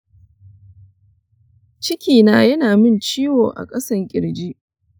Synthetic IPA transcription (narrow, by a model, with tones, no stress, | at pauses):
t͡ʃɪ˦kʲiː˨naː˦jɐ˦naː˨mɪ˦nt͡ʃiː˦woː˨ʔa̰˨kʼɐ˦sɐ˦ŋkʲʼɪ˨ɽd͡ʒi˦ʔ